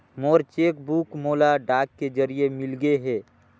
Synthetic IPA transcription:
moːɾt͡ʃeːk̚buːkmoːlaɖaːkkːed͡ʒəɾijemɪlɡəeɦɛː

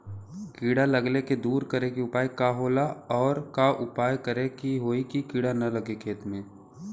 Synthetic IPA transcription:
kiːɽalɐɡleked̪uːɾkɐɾekiʊpaːikaɦoːlaɔːɾkaʔʊpaːjkəɾekiɦoːikikiːɽanɐlɐɡekʰeːt̪mẽː

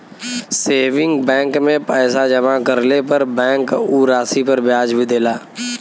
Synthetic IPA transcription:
seːʋɪ̃ŋɡbɛ̃ːŋkmẽpɛːsad͡ʒɐmakəɾlepəɾbɛ̃ːŋkuɾaːsipəɾbjaːd͡ʒbʱid̪eːlaː

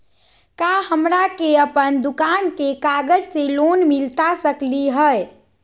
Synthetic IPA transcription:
kaɦəmɾakeəpənd̪ukankekaɡəd͡ʒselonmilt̪asəkliɦəj

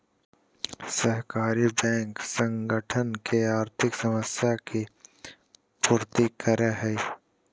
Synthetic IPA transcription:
səɦkaːɾibɛ̃ːŋksə̃ŋɡəʈʰənkeaːɾt̪ʰɪksəməsjaki | puːɾt̪ikʰəɾeɦɛː

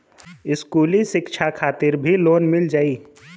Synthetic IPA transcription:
ɪskuːlisɪkt͡ʃʰakʰaːt̪ɪɾbʱiloːnmɪld͡ʒaːi

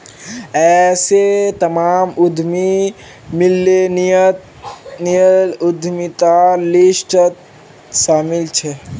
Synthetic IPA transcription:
ɛːset̪ɐmaːmʊd̪ʱmi | mɪlːen | niəʊd̪ʱmit̪alɪsʈət̪ | ʃaːmɪlt͡ʃʰɛ

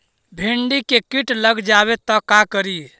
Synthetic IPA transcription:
bʱeɳɖikekiʈləɡd͡ʒaβet̪ɔkakəɾi

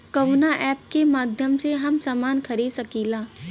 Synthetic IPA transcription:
kɐʋnaʔɛːp̚kemaːd̪ʱjəmseɦɐmsaːmaːnkʰɐɾiːd̪sɐkiːlaː

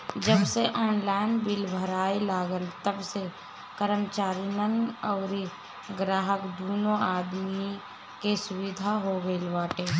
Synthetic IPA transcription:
d͡ʒəbseʔɔːnlaːɪnbɪlbʱəɾaːilaːɡəlt̪əbse | kəɾəmt͡ʃaːɾinənɔːɾ | ɡɾaːɦəkd̪uːnoaːd̪mi | kesʊwɪd̪ʱaɦoɡəilbaːʈeː

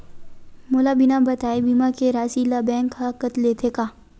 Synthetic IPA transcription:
molabɪnabɐt̪aːibimakeɾaːsilabɛ̃ːŋkʰːakət̪leːt̪ʰekaː

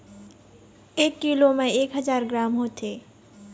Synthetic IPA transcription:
eːkːilomẽeːkɦəzaːɾɡɾaːmɦoːt̪ʰeː

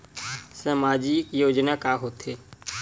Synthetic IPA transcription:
səmaːd͡ʒikjoːd͡ʒnakaːɦoːt̪eː

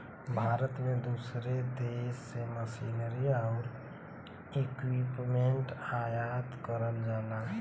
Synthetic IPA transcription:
bʱaɾət̪med̪usɾed̪esːeməsinəɾiaʊɾ | ekwipmeɳʈajat̪kəɾəld͡ʒala

